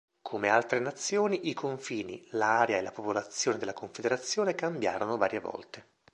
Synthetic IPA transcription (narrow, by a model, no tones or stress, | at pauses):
kʰomealt̪ɾenat̪sːjoːniʔikʰoɱfiːnḭlaaːɾjaelapopolat̪sːjoːned̪elakoɱfed̪eɾat̪sːjoːnekambja̰ːɾonovaːɾjevɔ̰lt̪e